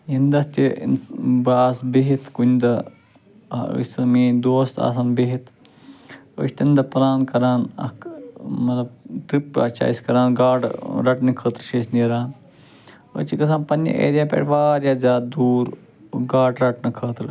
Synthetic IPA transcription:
jind̪ɐst̪ʲḭnbaːsbiɦit̪ʰkunʲd̪ɐ | ə̰sɐmiːd̪oːst̪a̰ːsaːnbiɦit̪ʰ | ə̰ʃʲt̪ind̪ɐpɐɾaːnkɐɾaːnɐ̰kmɐt̪lɐb̚ʈipa̰t͡ʃa̰ːiskɐɾaːnɡaːɖɾɐʈnɐkʰəːt̪ɾʃeːsniɾaːn | ə̰ːt͡ʃikɐsãːnpɐnʲːḭʔḛːd̪ʲjaːpʲḛːʈʋaːɾjaːzʲaːd̪̚d̪uːɾ | ɡaːɖɾɐʈnɐkʰəːt̪ɾ

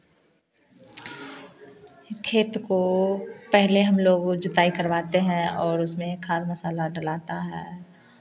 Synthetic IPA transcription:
kʰːeːt̪kopɛɦleɦɐmloːɡd͡ʒʊt̪aːikɐɾʋaːt̪eɦɛ̃ɔːɾʊsmẽkʰaːd̪mɐsaːlaɖɐlaːt̪aɦɛː

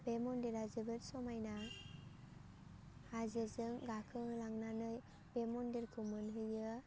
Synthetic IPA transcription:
bemɔndeɾazɯbɯɾsɔmajna | hazɯzɯŋɡakʰɯŋlaŋnanɯj | b̥emɔndeɾkʰumɯnɦɯjɯ

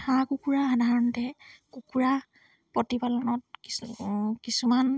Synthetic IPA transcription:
ãkukuɹaadʱaɹɔntɛkukuɹa | pɔtipalɔnɔt̚kikisuman

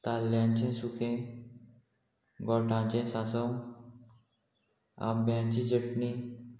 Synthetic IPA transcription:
t̪aːljaːnt͡ʃẽsukʰẽ | ɡɔːʈãːt͡ʃẽsaːsom | a̰ːmbãːnt͡ʃid͡ʒəʈni

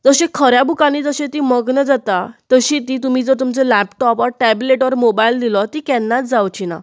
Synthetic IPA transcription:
d͡zəɕẽkʰəɾjabʱukaniːd͡zəɕẽt̪iːməɡnəd͡zat̪at̪əɕĩt̪iːt̪um̤iːd͡zəɾt̪umt͡selæpʈɔpɔɾʈɛbleʈʋəɾmobaild̪ilɔt̪ikɛnːat̪d͡zawt͡ɕina̰

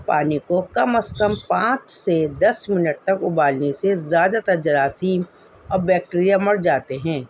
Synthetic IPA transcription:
paːnikokɐməskəmpãːt͡ʃsed̪ɐsmɪnəʈ̚t̪ɐkʊbaːlnesezjaːd̪at̪ɐɾd͡ʒɐɾaːsiːm | ɔːɾbɛːk̚ʈːɾijamɐɽd͡ʒaːt̪eɦɛ̃ː

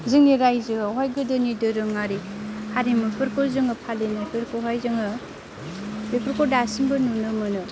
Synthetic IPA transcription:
zɯŋniɾajzɯawajɡɯdɯnidɯɾɯŋaɾihaɾimɯpʰɯɾkoɾzɯŋɯpʰalenajpʰɯɾkɯɦajzɯŋɯ | bepʰɯɾkɔɾdasiŋbɯnunɯmɯnɯ

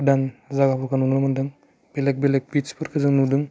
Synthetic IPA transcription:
danzaɡapʰɔkʰanunlamandɯŋ | b̥elek̚belek̚bit͡ʃpʰɯɾkʰɯzɯŋnudɯŋ

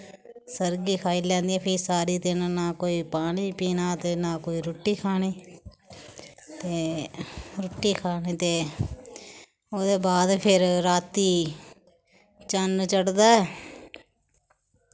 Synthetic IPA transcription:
səɾɡiːkʰaːiːlɛ̃ːnd̪iːɛ̃ːpʰisaːɾiːd̪ɪnnaːkoːiːpaːniːpiːnaːt̪eːnaːkoːiːɾoːʈːiːkʰaːniː | t̪eː | ɾoːʈːiːkʰaːniːt̪eː | oːd̪eːbaːd̪pʰɪɾɾaːt̪iː | t͡ʃənt͡ʃəɽd̪aːɛː

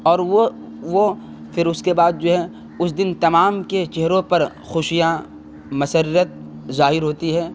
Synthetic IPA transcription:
ɔːɾʋo | ʋo | fʰɪɾʊskebaːd̪̚d͡ʒoːɦɛ | ʊsd̪ɪnt̪ɐmaːmket͡ʃeɦɾõpɐɾ | xʊʃija | mɐsəɾːət̪̚zaːɦɪɾɦoːt̪iɦɛː

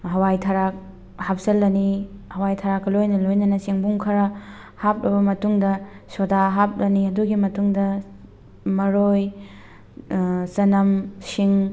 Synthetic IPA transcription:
ɦɐwajtʰɐɾak̚ | hap̚sɐlːɐnihɐwajtʰɐɾakːɐlojnɐlojnɐnɐsiŋbuŋkʰɐɾɐ | hap̚ɾɐbɐmɐtuŋdɐ | sodaɦap̚lɐniɐduɡimɐtuŋdɐ | mɐɾoj | sɐnɐmsiŋ

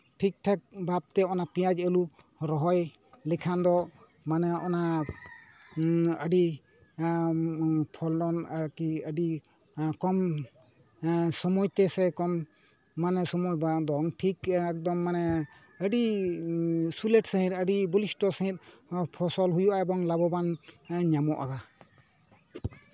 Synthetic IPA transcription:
ʈʰik̚ʈʰɛk̚bab̚t̪ɛɔnapĩjad͡ʒəlu | ɾɔɦɔj | lɛkʰand̪ɔ | manɛɔna | əɖi | pʰɔlɔnaɾkiəɖi | kɔm | sɔmɔjt̪ɛsɛkɔmː | anɛsɔmɔjbad̪ɔŋʈʰikɛk̚d̪ɔmːanɛ | əɖi | sulɛʈsəɦĩɾəɖibɔlisʈɔsəɦĩɾ̚pʰɔsɔlɦujuʔaɛbɔŋlabɔbanɲamɔʔa̰ɡa

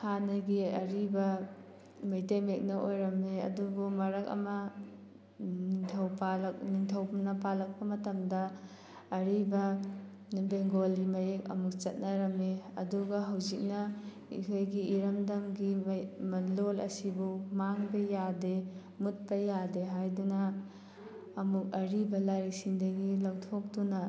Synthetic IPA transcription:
kʰanɐɡiɐɾibɐ | mɐjtejmek̚nɐʔojɾɐmeɐ̰dubumɐɾɐkɐ̰mɐ | niŋtʰɐwpalk̚niŋtʰɐwbnɐpalɐk̚pɐmɐtɐmdɐː | ɾibɐ | nibeŋɡolimɐjek̚ɐ̰muk̚t͡ʃɐt̚nɐɾɐmeɐ̰duɡɐɦawzik̚nɐ | ḭkʰojɡiːɾɐmdɐmɡimɐlolɐ̰sibumaŋbɐjade | mut̚pɐjadeɦajdunɐ | muk̚ɐɾibɐlaɾik̚siŋdɐɡilɐwtʰok̚tunɐ

